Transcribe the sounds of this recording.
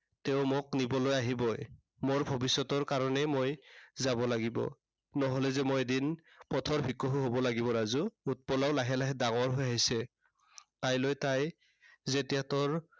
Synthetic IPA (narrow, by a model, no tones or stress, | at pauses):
teʊmoknibɔlojaɦibɔj | moɹbʱɔbisːɔtɔɹkaɹɔnɛmojzabɔlaɡibɔ̰ | nɔɦolɛzɛmojedin | pɔtʰɔɹbʱikɔɦuɦobɔlaɡibɔɹazuut̚pɔlaʊlaɦɛlaɦɛdaŋɔɹɦojajsɛ | tajlojtaj | zetijatɔɹ